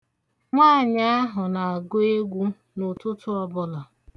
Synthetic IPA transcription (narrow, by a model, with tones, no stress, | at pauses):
ŋʷaː˦˨ɲa˦a˦ɦʊ˨na˨a˨ɡo˦e˦ɡʷu˦ | nʊ˨tʊ˦tʰʊ˦ɔ˨bʊ˦lɔ˨